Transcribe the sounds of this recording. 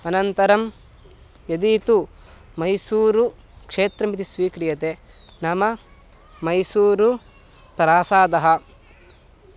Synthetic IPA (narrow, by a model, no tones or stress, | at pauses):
ɐnɐnt̪ɐɾɐm | jɐd̪iːt̪u | mɐjsuːɾu | kʂeːt̪ɾɐmit̪isʋiːkɾijɐt̪e | nɐmɐ | mɐjsuːɾu | pɾaːsaːd̪ɐɦɐ̆